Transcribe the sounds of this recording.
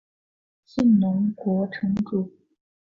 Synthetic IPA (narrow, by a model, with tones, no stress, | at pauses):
ɕi˥˩nnʊ˧˥ŋkwɔ˧˥ʈ͡ʂʰɤ˧˥ŋʈ͡ʂu˨˩